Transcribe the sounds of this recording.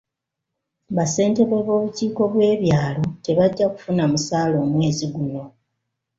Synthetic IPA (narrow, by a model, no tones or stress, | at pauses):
βase̞ːnte̞βwe̞βo̞ːβuciːko̞βwe̞ːβjaːlo̞te̞βaɟːaku̥funamusaːlo̞ːmwe̞ːziɡuno̞